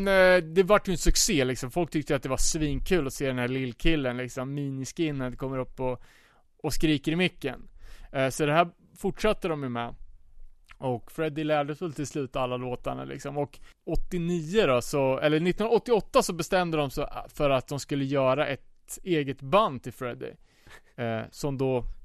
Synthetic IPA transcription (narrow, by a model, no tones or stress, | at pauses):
nd̪ɛvaʈːjʏnəsɵkseːlɪksɔmfɔlk̚t̪ʰʏk̚t̪əjat̪̚d̪ɛvasviːnkʰʉ̟ːlɔseːd̪ɛnhæːɭɪlːkʰɪlːənlɪksɔmːiːnɪskɪnːad̪ɛkʰɔmːəɾɵpːɔ | ɔskɾiːkəɾɪmʏkːə̰nsɔd̪ɛhæː | fʊʈʂat̪ːəd̪ɔmjɵmɛ | ɔkfɾɛd̪ːɪlæːɖəfɵlt̪ʰɪlslʉ̟ːt̪aalːaloːt̪aɳa̰lɪ̰ksɔmɔkɔt̪ːɪniːəd̪ɔsɔɛlːənɪt̪ːnɔt̪ːɪɔt̪ːasɔbɛst̪ɛmd̪əd̪ɔmsfœɾat̪̚d̪ɔmskɵlːəjœːɾaʔɛt̪ | eːɡət̪band̪t̪ʰɪlfɾɛd̪ɪ̰ | sɔmd̪ɔ